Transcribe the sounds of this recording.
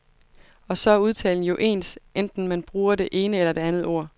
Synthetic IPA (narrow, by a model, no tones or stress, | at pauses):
ɒ̽sɒ̽æɐuð̞ˠt͡sʰɛ̰ːln̩jo̝ʔe̝̰ːnsʔend̥n̩mænb̥ʁuːɐɾe̝ʔe̝ːnəelɐd̥e̝ænð̞̩ˠo̝ɐ̰